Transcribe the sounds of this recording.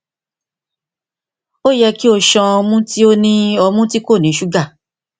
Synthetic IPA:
o˦jɛ˧ki˦o˧˨ʃɔ̃˧ɔ˧mũ˦ti˦o˦nĩ˦ɔ˧mũ˦ti˦ko˦˨nĩ˨˦ʃu˦ɡa˦˨

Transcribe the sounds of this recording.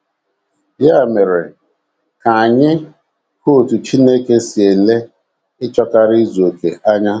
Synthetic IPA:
ja˦˨me˨ɾe˨ | ka˨a˨ɲɪ˦ | ho˦o˨tu˨t͡ʃi˦ne˦ke˦si˨e˨le˦ | ɪ˦t͡ʃɔ˦ka˦ɾɪ˦i˦zu˨o˨ke˨ʔa˦ɲa˦

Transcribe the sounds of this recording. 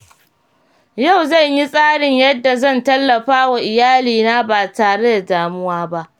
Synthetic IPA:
ja˦˨wzɐ˦˨ɲji˦sʼaː˦ɽɪ˨ɲjɐ˦dːa˨zɐ˦˨ntɐ˦lːɐ˨ɸaː˦wa˨ʔɪ˨jaː˦liː˨naː˦baː˨taː˨ɽe˦da˨daː˨mʊ˦waː˦ba˦ʔ

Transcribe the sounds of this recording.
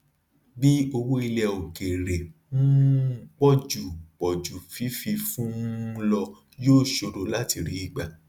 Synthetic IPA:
bi˦o˧wo˦i˧lɛ˧o˨ke˨ɾɛ˨fũ˦k͡pɔ˦˨d͡ʒu˨k͡pɔ˨d͡ʒu˨fi˨˦fi˧fũ˦lɔ˧ | joː˦˨ʃo˧ɾo˨˧la˦ti˧ɾi˨˦i˧ɡ͡ba˨

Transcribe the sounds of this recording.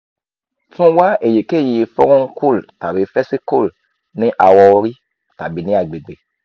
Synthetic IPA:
fũ˦wa˦ʔe˨je˨ke˦˨ji˨˧fɔ˦ɾɔ̃˦kʰu˦˨lta˨bi˨˦fɛ˦si˦ko˦˨l | nĩ˦ʔa˨wɔ˧˦ɾi˦ | ta˨bi˨˦nĩ˦a˨ɡ͡be˨ɡ͡be˨

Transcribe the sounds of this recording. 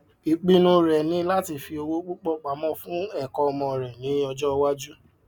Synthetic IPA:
i˨k͡pi˧nũ˧ɾɛ˨nĩ˨˦la˦ti˧˨fi˧o˧wo˦k͡po˦k͡pɔ˦k͡pa˨mɔ̃˦fũ˦ɛ˦˨kɔ̃˧ɔ˧mɔ̃˧˨ɾɛ˨nĩ˨˦ɔ˧d͡ʒɔ˦˧wa˦d͡ʒu˦

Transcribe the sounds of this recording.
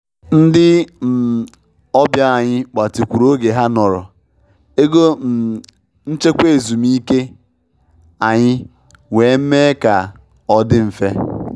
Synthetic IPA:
n̩˦dɪ˦m̩˨ | ɔ˦bja˦a˨ɲɪ˦k͡pa˨ti˨kʷu˨ɾo˦ɡe˨ɦa˦nɔ˨ɾɔ˨ | e˦ɡo˦m̩˨ | n̩˦t͡ʃe˦kʷe˦˨zu˨mi˦ke˦ | a˨ɲɪ˦ | we˨˦m̩˦me˦ka˨ | ɔ˦dɪ˦m̩˨fe˦

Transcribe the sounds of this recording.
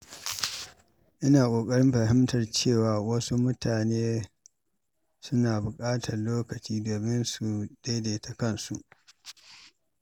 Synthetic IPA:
ʔɪ˦naː˨kʷʼoː˨kʼɐ˦ɽɪ˦mɸɐ˨ɦɪ˦mtɐ˨rt͡ʃeː˦˨waː˨wɐ˦su˦mʊ˦taː˨neː˦ | sʊ˦naː˨bʊ˨kʼaː˦tʰɐ˨rloː˦kɐ˨t͡ʃiː˦doː˨mɪ˦nsu˨d̥e˦de˨ta˨kɐ˦˨nsu˨ʔ

